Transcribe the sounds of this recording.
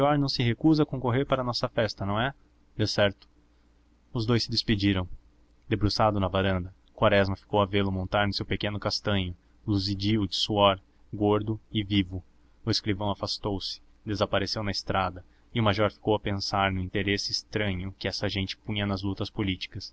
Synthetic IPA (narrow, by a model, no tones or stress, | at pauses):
ɔɾnɐ̃w̃sɪɦekuzɐkõkoɦeɾpaɾɐnɔsɐfɛst̪ɐnɐ̃w̃ɛ | d̪esɛɾt̪ʊ̥ | ʊzd̪ojsɪd̪espid͡ʒiɾɐ̃w̃ | d̪ebɾusad̪ʊnɐvaɾɐ̃nd̪ɐ | kwaɾɛzmɐfi̥kowɐvelʊmõnt̪aɾnʊsewpekẽnʊkast̪ɐ̃ɲʊ | luzid͡ʒiʊd͡ʒɪsuɔɾ | ɡoɾd̪ʊɪvivʊ | ʊeskɾivɐ̃w̃afast̪owsɪ̥ | d̪ezapaɾesewnɐɪst̪ɾad̪ɐ | ɪʊmaʒɔɾfi̥kowɐpẽsaɾnʊĩt̪eɾesɪːst̪ɾɐ̃ɲʊkɪɛsɐʒẽnt͡ʃɪ̥pũɲɐnɐzlut̪ɐspolit͡ʃi̥kɐs